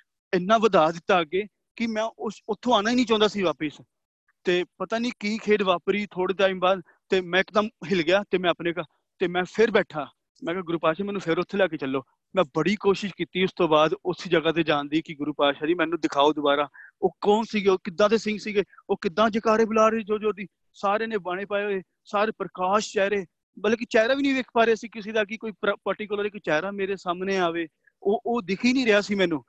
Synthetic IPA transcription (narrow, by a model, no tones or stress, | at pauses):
ɪnːãːʋəd̪aːd̪ɪt̪ːaːɡeː | kɪmɛ̃ːʊʊt̪ʰːõːaːnaːiːnĩːt͡ʃãːnd̪aːsiːʋaːpəs | t̪eːpət̪aːniːkiːkʰeːɖʋaːpɾiːt̪ʰoːɽiːt̪aːĩːmbaːd̪ | t̪eːmɛ̃ːɪkd̪əmɦɪlɡɪjaːt̪eːmɛ̃ːəpneːkaː | t̪eːmɛ̃ːpʰɪɾbɛːʈʰaː | mɛ̃ːkɛːɡʊɾuːpaːʃaːmɛ̃ːnũːpʰɪɾʊt̪ʰːeːlaːkeːt͡ʃəlːoː | mɛ̃ːbəɽiːkoːʃɪʃkiːt̪iːʊst̪õːbaːd̪ʊsd͡ʒəɡaːt̪̬eːd͡ʒãːnd̪iːkɪɡʊɾuːpaːʃaːd͡ʒiːmɛ̃ːnũːd̪ɪkʰaːoːd̪ʊbaːɾaːoːkɔːnsiːɡeːoːkɪd̪ːãːt̪eːsɪ̃ŋɡsiːɡeːoːkɪd̪ːãːd͡ʒeːkaːɾeːbʊlaːɾeːd͡ʒoːd͡ʒoːd̪iː | saːɾeːnẽːbəɳ̃eːpaːeoːeː | saːɾeːpɾəkaːʃt͡ʃɛːɾeː | bəlk̬it͡ʃɛːɾaːʋiːnĩːʋeːkʰpaːɾeːsiːkɪseːd̪aːkɪkoːiːpəɾʈikəlɾeːkɪt͡ʃɛːɾaːmeːɾeːsaːmneːaːʋeː | oːʔoːd̪ɪkʰiːnĩːɾɪɦaːsiːmɛ̃ːnũː